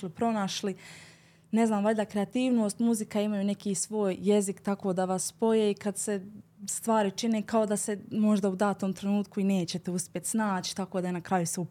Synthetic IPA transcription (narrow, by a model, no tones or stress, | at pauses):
lipɾo̞naʃli | ne̞znaːmʋaʎʲd̪akɾeat̪iːʋno̞ːst̪muzikaimajuːne̞kiːsʋo̞ːjːe̞zikt̪ako̞ːd̪aʋaspo̞jeːikad̪se̞st̪ʋaːɾit͡ʃineːkao̞d̪ase̞mo̞ʒd̪aud̪aːt̪oːmt̪ɾe̞nuːt̪kuineːt͡ɕe̞t̪e̞uspʲje̞t̪snaːt͡ɕi̥t̪akoːd̪aenakɾajuseu